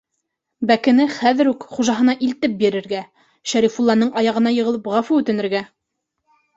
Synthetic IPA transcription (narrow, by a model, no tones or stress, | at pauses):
bækɘ̆nɘχæðɘ̆ɾukχuʒɑɦɤ̆nɑʔilt̪ɘp̚biɾɘ̆ɾɡæ | ʃæɾifulˠːɑnːɤɴɑjɑʁɤ̆nɑjɤ̆ʁɤ̆lˠɤpʁɑfuʉt̪ɘ̆nɘ̆ɾɡæ